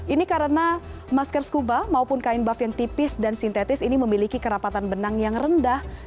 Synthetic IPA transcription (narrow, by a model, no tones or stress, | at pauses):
ʔinikaɾəna | maskərskubamaupʊnkaɪnbafjaŋt̪ipɪsdansint̪et̪ɪsiniməmilikikəɾapat̪anbənaŋjaŋrəndah